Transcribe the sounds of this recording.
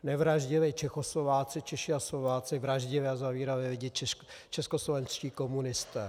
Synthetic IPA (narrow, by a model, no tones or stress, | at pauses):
nɛvɾaʒɟɪvɛːt͡ʃɛxoslovaːt͡sɪt͡ʃɛʃɪaslovaːt͡sɪvɾaʒɟɪvɛːazaviːɾavɛːvɪɟɛt̪t͡ʃɛ | t͡ʃɛskoslovɛnsciːko̞munɪst̪ɛː